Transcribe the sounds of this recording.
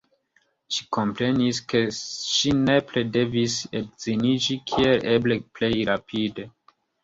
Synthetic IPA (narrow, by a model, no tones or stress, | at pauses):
ʃi̥kʰompɾe̞niske̞ʃine̞plede̞visebz̥inid͡ʒikʰielebleple̞jɾapʰide